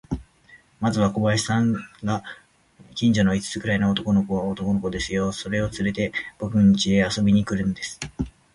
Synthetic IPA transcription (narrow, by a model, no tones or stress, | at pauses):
mazɨβ̞ako̞βaisãŋɡa | kʲĩɲ̟d͡ʑono̞it͡sɨ̥t͡sɨ̥kɯ̟ɾainoːt̪o̞ko̞no̞koβaot̪o̞ko̞no̞ko̞d̪e̞sɨjo̞so̞ɾe̞o̞t͡sɨɾe̞t̪e̞b̥o̞kɯ̟ɲ̟ːit͡ɕide̞aso̞bʲiɲ̟ikɯ̟ɾɯ̟̃nd̪e̞sɨ̥